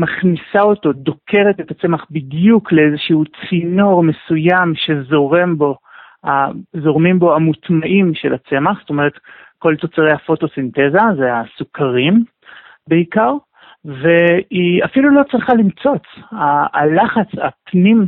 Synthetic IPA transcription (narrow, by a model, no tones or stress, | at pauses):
maχnisaoto̞do̞kʰe̞ʁe̞te̞tat͡se̞maχbidjukleezeʃiut͡sino̞ʁme̞sujamʃe̞zo̞ʁe̞mbo̞ | azo̞ʁmimbo̞amutmaʔimʃe̞lat͡se̞maχst̪o̞me̞ʁ̞etko̞lt̪o̞t͡saʁehafo̞to̞sinte̞zazeasukaʁim | be̞ikaʁ | ve̞iafilulo̞t͡sʁiχalimt͡so̞t͡salaχat͡sa̰pnim